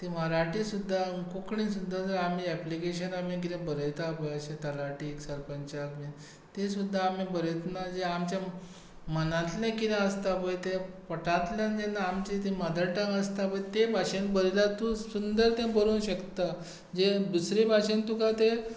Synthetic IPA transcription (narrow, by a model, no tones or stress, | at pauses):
t̪iməɾaʈisud̪ʱːakokɳĩsud̪ʱːad͡zəɾam̤iɛplikeɕənam̤ĩk̬it̪ẽbəɾəjt̪apəjəɕẽt̪əlaʈiːksəɾpənt͡ɕakmi | t̪ẽsud̪ʱːaːm̤ibəɾət̪nad͡ʑeamt͡ɕja | mənãt̪lãkit̪ãəst̪apəjt̪ẽpəʈat̪ljand͡ʑenːaamt͡ɕit̪iməd̪əɽʈə̃ŋəst̪apəjt̪ebʱaɕẽnbəɾilat̪ũsund̪əɾt̪ẽbəɾuːnɕəkt̪a | d͡ʑed̪usɾebʱaɕẽnt̪ukat̪e